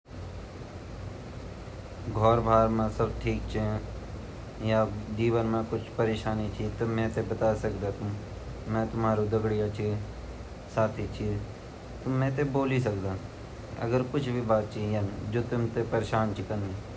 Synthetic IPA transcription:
ɡʱɔːɾbʱaːɾmãːsəbʈʰiːk̚t͡ʃʰi | jad͡ʒiːʋənmãkʊt͡ʃʰpəɾeːʃaːnit͡ʃʰit̪omɛ̃ːt̪ebət̪aːsəkd̪aːt̪ʊ̃m | mɛ̃ːt̪ʊmaːɾud̪əɡɽijãt͡ʃʰi | saːt̪ʰit͡ʃʰi | t̪ʊmɛ̃ːt̪̬eboːlis̬əkd̪aː | ɐ̰ɡəɾkʊt͡ʃʰbʱibaːt̪̚t͡ʃijənd͡ʒoːt̪ʊmt̪epəɾeːʃaːnt͡ʃʰikəni

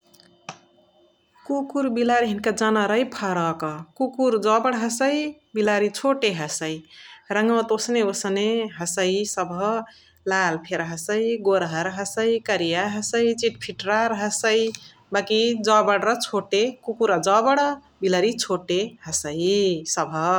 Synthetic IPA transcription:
kukuɾbilaɾiɦinkad͡ʒanaɾʌjpʰaɾʌkʌkukuɾd͡ʒɔbəɽɦəsəjbilaɾit͡ʃʰoʈeɦəsəiɾʌŋʌw̃t̪osneosəneɦʌsəjsʌbʱʌ | lalpʰeɾɦəsəiɡoɾɦəɾɦəsəjkəɾijaɦəsəit͡ʃiʈpʰiʈɾaɾɦəsəi | bakid͡zʌbəɽɾʌt͡ʃʰoʈekukuɾad͡zɔbəɽʌ | bilaɾit͡ʃʰoʈeɦəsəjsʌbʱʌ

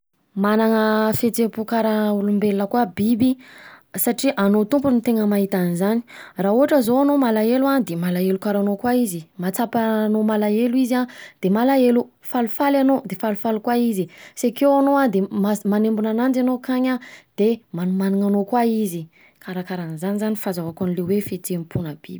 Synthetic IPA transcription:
manaŋəfet͡sepukaɾaulumbelnəkwabibisaʈ͡ʂiʔanot̪umpunit̪eŋəmaɦit̪anizani̥rauaʈ͡ʂəzoanomalaeluad̪emalaelukaɾanokwaizimat͡sapanomalaeluizad̪̥emalaelu | falufalanod̪efalufalukwaizisakewanoad̪emamanembunanand͡zanokaɲad̪̥emanumaniŋanokwaizi | kaɾakaɾanizanizanifazawakanilewefetempʰunəb̥ḭbii

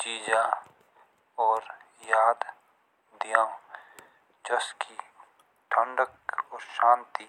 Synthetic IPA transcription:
t͡ʃiːd͡ʒa | ɔːɾ | jaːd̪ | d̪ijãː | d͡ʒəski | ʈʰə̃ɳɖəkɔːɾʃaːnt̪iː

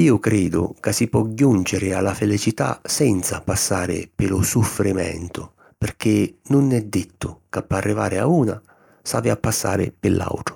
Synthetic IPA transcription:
iːʊkɾɛːd̪ʊ̰kasːipɔɟːunt͡ʃɪɾɪalːafelit͡ʃit̪a̰sɛnt̪sapasːaːɾɪ̰pɪlʊsufɾimɛ̰nt̪ʊ | pɪrk̟ɪnʊnːɛd̪ːɪt̪ʰːʊkapːarːivaːɾɪauːna̰ | sa̰ːviapːasːa̰ːɾɪ̰pɪlːʔa̰wt̪ɾʊ̥

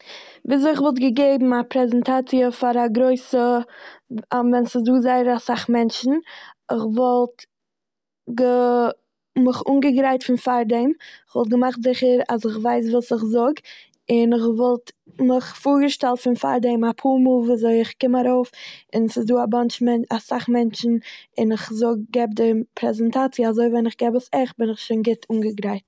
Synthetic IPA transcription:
viːzoɪχvɔlˠtɡəɡeɪbm̩apɾɛzɛntʰat͡siəfaɾaɡɾoɪsə | avɛnsɪsduːzaɪəɾasaχmɛnt͡ʃn̩ɪχvɔlˠt | ɡə | mɪχuːnɡəɡɾaɪtfɪnfaɾdɛmɪχvɔlˠt̚ɡəmaχtzɪχəɾasɪχvaɪs̬vuːsɪχzʊɡ | ɪnɪχvɔlˠt | mɪχfʊɾɡəʃtɛlˠtfɪnfa̰ɾdɛmapʰuːmuːlˠviːazoɪɪχkɪmaɾoʊfɪnsɪsduːabant͡ʃmɛnasaχmɛnt͡ʃn̩ɪnɪχzʊɡ̚ɡɛb̚dɪpʰɾɛzɛntat͡sjəazoɪvɛnɪχɡɛbəsɛχbɪnɪχʃoɪnɡɪtʰuːnɡəɡɾaɪt

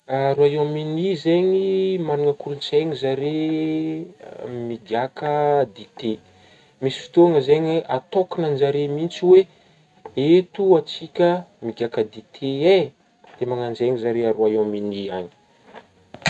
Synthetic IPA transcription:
aɾuaominizeɲimaniŋəkulunt͡seɲizaɾe | miɡakəd̪it̪e | misi̥fi̥t̪uaŋəzeɲeʔat̪okinand͡ʒaɾemint͡siwe | et̪uat͡sikʲəmiɡʲakəd̪it̪ʰee | d̪̥emaŋand͡ʒeɲizaɾeaɾuajominia̰ɲi̥

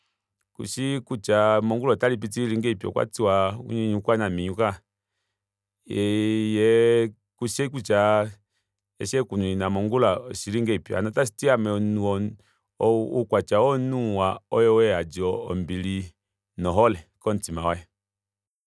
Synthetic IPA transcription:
kṵʃikut͡ʃamɔŋɡulɔtalip̬itiliŋɡeipiɔ̰kwa̰tiwaṵɲiɲukwanamiɲuka | ɛjɛ | kuʃeikut͡ʃa | ɛ̰ʃɛkunuinamɔŋɡulaɔsiɾiŋɡeipia̰nɔtasi̥tiamɛnuɔ | ukwat͡ʃaɔnuwaɔjɔwɛad͡ʒiɔɔmbiɾi | nɔɦɔlɛkɔn̩timawaɛ

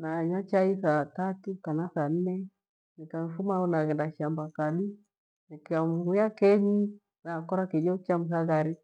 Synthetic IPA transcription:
naɲat͡ʃaisatatukanasan̩nɛ | nikaɱfumaunaɣɛndaʃambakaɗi | nikiamuhujakɛɲi | nakɔɾakid͡ʒɔkiamus̬aɣaɾi

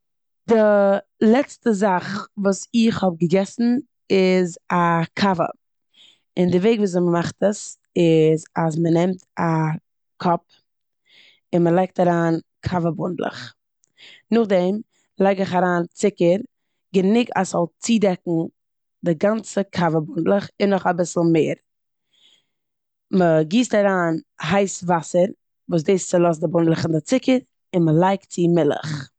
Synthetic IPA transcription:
d̥ɪlˠɛt͡stəzaχvuːsɪχhɔb̚ɡəɡɛsn̩ | ɪzakʰavə̰ | ɪndɪveɪɡvuːs̬ɪməmaχtəs | ɪzas̬mənɛmta | kʰɔp̚ | ɪnməlˠaɪk̚taɾaːn | kʰavəbʊndlˠə̰χ | nʊχdɛm | lˠaɪɡɪχaɾaːnt͡sɪkəɾ | ɡənɪɡa̰sɔlˠt͡siːdɛkŋ̩ | dɪɡant͡səkʰavəbʊndlˠəχɪnːɔχabɪsl̩ˠmeːɾ | məɡiːstaɾaːnɦaɪsvasəɾ | vuːs̬deɪst͡sɪlˠɔs̬dɪbʊndlˠəχɪndɪt͡sɪkəɾ | ɪnməlˠaɪktt͡sɪmɪlˠə̰χ

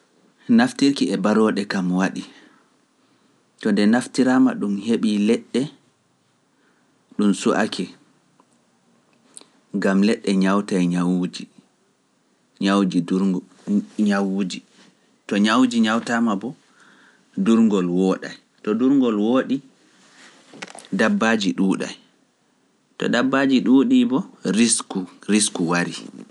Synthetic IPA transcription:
naftiɾkiɛbaɾɔɗɛkamwaɗi | tɔndɛnaftiɾaːmaɗumheɓilɛɗːɛ | ɗumsuʔa̰kʰɛ | ɡamlɛɗːɛɲawtajɲawd͡ʒi | ɲawd͡ʒi | ɲawud͡ʒi | tɔɲawd͡ʒiɲawtamabɔ | duɾŋɡɔlwoːɗa̰j | tɔduɾŋɡɔlwoːɗi | dabːad͡ʒiɗuːɗa̰j | tɔ̰ɗabːaːd͡ʒiɗuɗibɔiskuɾiskuwaɾi

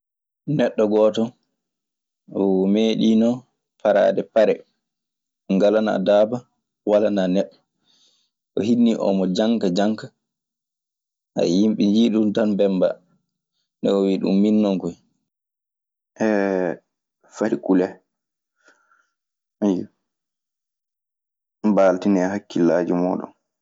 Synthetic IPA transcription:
nɛɗːɔɡɔːtɔ | ɔmeɗinɔ | paɾa̰ːdɛpaɾɛ | ŋɡalana̰daːba | walananɛɗːɔ | ʔɔhinːiʔɔ̰mɔd͡ʒaŋkad͡ʒaŋkḁ | ʔa̰jimɓiɲd͡ʒiɗumtanbɛmba̰ | nɛ̰ɔwiɗṵmːinːɔŋkɔj | ʔɛ | faɾikulɛ | aja | baːltinɛɦakːilaːd͡ʒimɔːɗɔ̰n

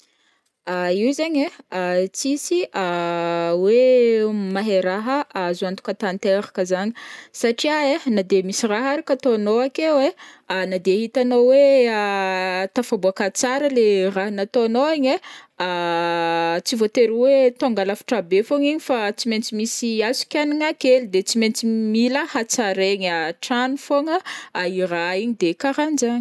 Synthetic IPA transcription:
aiwzaɲeat͡sisia | wemaɦeɾaɦəʔazant̪u̥kat̪ant̪eɾakəzaɲi̥saʈ͡ʂiaenad̪emisiraɦaɾakat̪onoakewe | nad̪eɦit̪anowe | t̪afabuakat͡saɾəleraɦnat̪oanoaɲe | a | t͡sivot̪eɾuwet̪oŋɡalafi̥ʈ͡ʂabefoɲiɲifat͡siment͡simisiazi̥kʲaniŋakelid̪et͡siment͡similəhat͡saɾeɲaʈ͡ʂanifoŋəaiɾaiɲid̪ekaɾanzaɲi̥

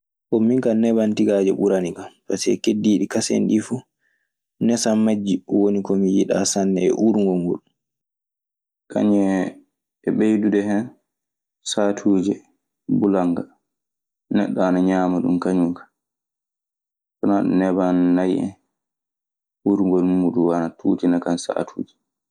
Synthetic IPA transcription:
kɔmiŋkanɛbantiɡad͡ʒɛ̰ɓuɾaniɡampasɛkedːiːɗikasɛ̰nɗifu | nɛsamːad͡ʒːiɔwonikɔmijiɗa̰sanːɛɛ̰ʔuɾŋɡɔŋɡul | ka̰ɲɛ | ɛɓejdudɛhɛn | satʰuːd͡ʒɛ | bulaŋɡa | nɛ̰ɗːaːnaɲaːmaɗṵmkaɲuŋkḁ | kɔnaɗṵnɛbanːajʔɛ̰ | uɾŋɡɔlmuɗuwanatʰuːtinakansa̰tʰṵːd͡ʒɛ

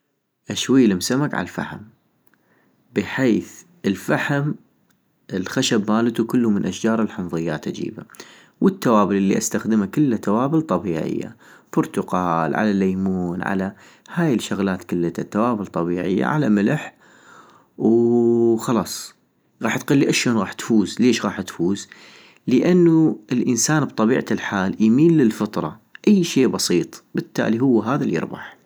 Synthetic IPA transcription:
ʔaʃwajːlɪmsamakʕa̰lafa̰ħa̰m | bɪħeːθ | ɪlfaħm | ʔɪlxaʃabmaːlɪt̪ukʊlːumɪnʔaʃd͡ʒɑːɾˤɪlħʊnðˤɨjːaːt̪ʔad͡ʒḭːba | wʔɪt̪ːawaːbɪlʔɪlːiʔast̪axd̪ɪmakɪlːat̪awaːbɪlt̪ˤɑbiːʕɪ̰jːa̰ | b̥ʊɾˤt̪ʊqɑːlʕa̰lalːajmuːnʕa̰la | haːjɪlʃaɣlaːt̪kʊlːat̪at̪ːawaːbɪlt̪ˤɑbiːʕɪ̰jːa̰ʕalamɪlħ | w | xɑlɑːsˤ | ɣɑːħt̪qalːiʔaʃoːnɣɑːħt̪fuːzleːʃɣɑːħt̪fuːz | ləʔanːuɪlʔɪnsaːnbt̪ˤɑbiːʕalħaːljmiːnːɪlfɑt̪ˤɾˤɑ̰ʔajːʃeːʔbɑsiːt̪ˤbɪt̪ːa̰ːliɦʊwːɦaːðaljɪ̰ɾbɑ̰ħ

